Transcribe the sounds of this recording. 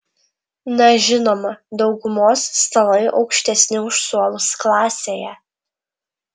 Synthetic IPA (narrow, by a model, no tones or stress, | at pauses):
nɛʒʲɪnoːmɐd̪ɒʊɡʊmoːsːt̪ɐlˠɐɪʔɒ̰ʊkʃʲt̪ʲɛsʲnʲɪʊʃsuɔlˠʊsklˠɑːsʲeːjɛ